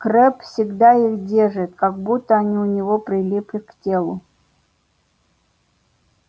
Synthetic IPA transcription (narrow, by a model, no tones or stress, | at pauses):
kɾɛpfsʲɪɡd̪aixdʲerʐɨt̪kaɡ̚but̪ːəɐnʲiʊnʲɪvopɾʲɪlʲiplʲɪktʲelˠʊ